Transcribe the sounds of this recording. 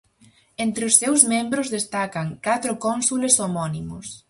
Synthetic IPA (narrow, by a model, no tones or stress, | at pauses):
ent̪ɾeʊsːewzmẽmbɾʊzðest̪akɐŋkat̪ɾʊkɔnsulesomɔnimʊs